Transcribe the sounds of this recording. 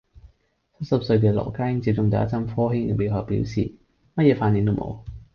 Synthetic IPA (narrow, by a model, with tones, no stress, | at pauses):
t͡sʰɐ˥t̚sɐ˨p̚sɵ˧ɥk̬ɛː˧lɔ̰˨˩kaː˥jŋt͡si˨˥p̚t͡sʊ˨ŋt̪ɐ˨ɐ̰˦˥t͡sɐ˥mfɔː˥ɦɪ˥ŋ˨mi˨˧whɔ˨˩pḭː˨˥wsḭː˨˩ | mɐ˥t̚jɛː˨˧faː˧nji˨˧ŋt̪o˥wmo̰˨˧w